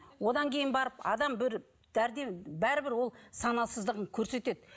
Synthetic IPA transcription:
wo̞d̪ɑŋkʲʰe̞jɪnbɑɾəpɑd̪ɑmbɪɾ | d̪̥æɾd̪e̞mbæɾɪbɪɾwo̞lˠsɑnɑsəzd̪əʁəŋkʲʰɵɾse̞t̪e̞d̪

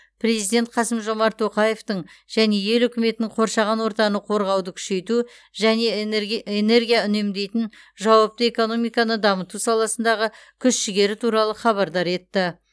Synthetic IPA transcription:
pʰɾe̞zijd̪ent̪̚qʰɑsəmʒo̞mɑɾt̪ʰːo̞qɑje̞ft̪əɴʒ̥æne̞je̞lʏkʲɪme̞t̪ɪnɪɴqʰo̞ɾʃɑʁɑnwo̞ɾt̪ɑnəqʰo̞ɾʁɑwd̪əkʲʰʏ̥ʃe̞jt̪u | ʒæne̞e̞ne̞ɾɡʲijaʏne̞md̪e̞jt̪ɪn | ʒɑwɑp̚t̪əe̞ko̞no̞mijkɑnəd̪ɑmət̪usɑlˠɑsənd̪ɑʁə | kʲʰʏsʃɪɡʲe̞ɾɪt̪ʰuɾɑlˠəχɑβɑɾd̪ɑɾe̞t̪ːɪ

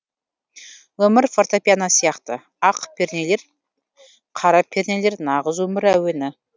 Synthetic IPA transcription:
wɵmɪɾfort̪opʲianasijɑqt̪ə | ɑqpʰeɾnele̞ɾ | qʰɑɾɑpʰe̞ɾnele̞ɾnɑʁəzwɵmɪɾæwe̞nɪ

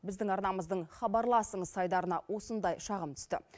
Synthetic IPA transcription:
bɪzd̪ɪŋɑɾnɑməzd̪əɴχɑbɑɾlˠɑsəɴəzsɑjd̪ɑɾənɑ̰wʔo̞sənd̪ɑjʃɑʁəmt̪ʰʏ̥st̪ɪ̰

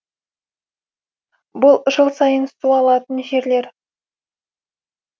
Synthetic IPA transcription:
bʊlˠʒəlˠsɑjənsuɑlˠɑt̪ənʒe̞ɾle̞ɾ

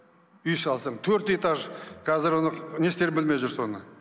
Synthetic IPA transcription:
ʏjsɑlˠsɑɴt̪ʰɵɾt̪et̪ɑʒqʰɑzɪɾwo̞nəne̞st̪e̞ɾɪpbɪlme̞ʒʏɾso̞nə

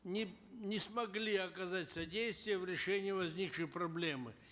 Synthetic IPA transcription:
nʲɪnʲɪsmɐɡlʲiɐkɐzatʲsɐdʲejst̪vʲɪjəvɾʲɪʂɛnʲɪːvɐzʲnʲikʂɨjpɾɐblʲemɨ̰

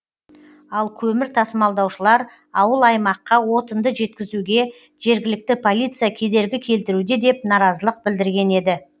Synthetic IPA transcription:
ɑlˠkʲʰɵmɪɾt̪ʰɑsəmɑlˠd̪ɑwʃəlˠɑɾ | ɑwəlˠɑjmɑqːɑwo̞t̪ənd̪əʒe̞t̪̚kʲɪzuɡʲe̞ | ʒ̥e̞ɾɡʲɪlɪk̚t̪ɪpʰo̞lʲijt̪sɨjakʲʰe̞d̪e̞ɾɡʲɪkʲʰe̞lt̪ɪɾud̪e̞d̪e̞pnɑɾɑzəlˠəq̚bɪld̪ɪɾɡʲe̞ne̞d̪ɪ

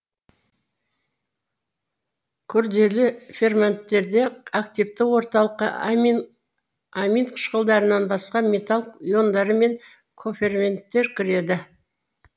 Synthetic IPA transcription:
kʲʰʏɾd̪e̞lɪfʲe̞rmant̪ːe̞ɾd̪e̞akt̪ipt̪ɪwo̞ɾt̪ɑlˠəqːə̰ | aminqʰə̥ʃqəlˠd̪ɑɾənɑnbɑsqɑmʲe̞t̪alˠjo̞nd̪ɑɾəme̞ŋ | kʰo̞fʲe̞rment̪ːe̞ɾkʲʰʏɾe̞d̪ɪ

